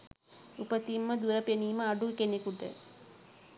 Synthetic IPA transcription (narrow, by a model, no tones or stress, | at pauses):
upət̪imːəd̪uɾəpeniːməaɖukenekuʈə̰